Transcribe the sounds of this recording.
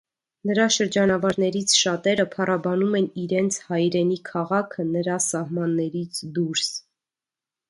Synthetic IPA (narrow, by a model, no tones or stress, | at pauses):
nəɾɑʃəɾd͡ʒɑnɑvɑɾnɛɾit͡sʰʃɑt̪ɛɾəpʰɑrʔɑbɑnumɛniɾɛnt͡sʰhɑjɾɛnikʰɑʁɑkʰənəɾɑsɑhmɑnːɛɾit͡sʰd̪uɾs